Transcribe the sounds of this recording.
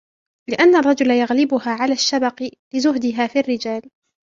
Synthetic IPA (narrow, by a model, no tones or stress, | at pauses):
lɪʔanːarˤːɑd͡ʒʊlajaɣlɪbʊɦaːʕalaːʃːabɑqbɪzʊhd̪ɪɦaːfiʔarːɪd͡ʒaːl